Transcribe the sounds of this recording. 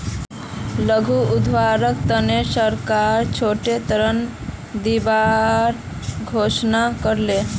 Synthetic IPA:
ləɡʱuud̪ʱʋaɾəkt̪ənesəɾkaɾt͡ʃʰoʈet̪əɾən | d̪ibaɾ | ɡʱoʃnakəɾle

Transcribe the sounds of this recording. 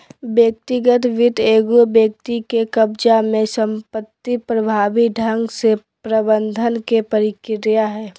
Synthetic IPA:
bjək̚t̪ɪɡət̪ʋɪʈ̪eːɡubjək̚t̪ikekəbd͡ʒamẽsə̃mpət̪ːipɾəbʱaːbiɖʱə̃ŋɡse | pɾəbə̃nd̪ʱənkepəɾɪkɾjaɦɛː

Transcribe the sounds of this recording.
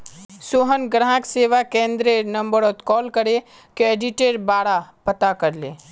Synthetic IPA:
soːɦənɡɾãːkseːʋakẽːnd̪ɾeɾnɐ̃mbəɾot̪kɔːlkəɾe | keeːɖiʈeːɾbaːɽapɐt̪akɐɾleː

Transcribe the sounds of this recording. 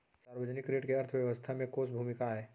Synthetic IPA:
saːɾwəd͡ʒənɪkːɾeːʈkeɐɾt̪ʰəʋjɐʋəst̪ʰamẽkoːsbʱuːmɪkaɦɛː

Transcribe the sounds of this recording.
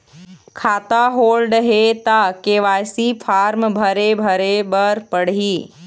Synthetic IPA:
kʰaːt̪aɦoːlɖɦet̪akeːʋaːjsipʰaːɾmbʱəɾebʱəɾebəɾpəɽ̤iː

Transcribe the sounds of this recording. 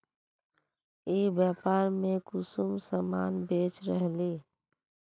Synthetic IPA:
iːbjaːpaːɾmẽkʊsumsəmaːnbeːt͡ʃɾəɦliː

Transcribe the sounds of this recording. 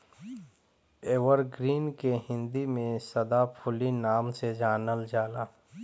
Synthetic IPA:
eːwəɾɡɾiːnkeɦɪ̃nd̪imẽsɐd̪apʰʊlinaːmsed͡ʒaːnəld͡ʒaːlaː

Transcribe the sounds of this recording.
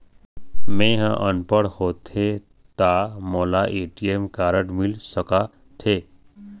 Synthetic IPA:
mẽːɦãʔənpəɽhoːt̪ʰe | t̪amoːlaʔeːʈiemkaːɾəʈmilsəka | t̪ʰeː

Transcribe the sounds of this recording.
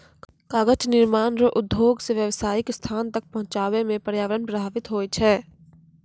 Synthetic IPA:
kaːɡət͡ʃnɪɾmaːnɾəʔʊd̪joːɡseʋjəʋsaːɪkst̪ʰaːnt̪ɐk̚pɐɦʊ̃t͡ʃaːwemẽpəɾjaːʋəɾənpɾəbʱaːʋɪt̪ɦoːt͡ʃʰɛː

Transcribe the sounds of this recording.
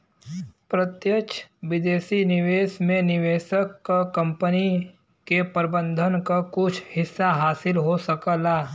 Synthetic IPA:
pɾət̪jət͡ʃʰʋɪd̪eːsinɪʋeːsmẽnɪʋeːʃəkːkɐ̃mpəni | kepəɾbə̃nd̪ʱənkakʊt͡ʃʰhɪsːaɦaːsɪlɦosɐkəlaː

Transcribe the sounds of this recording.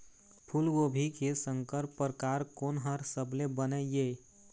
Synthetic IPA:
pʰulɡobʱikesəŋkəɾpːɾkaɾkonɦəɾsəblebənəe

